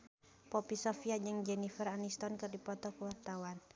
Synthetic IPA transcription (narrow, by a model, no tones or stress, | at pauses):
pɔpisɔfiad͡ʒɨŋd͡ʒɛnifəranist̪ɔnkɨrdipɔt̪ɔkuwart̪awan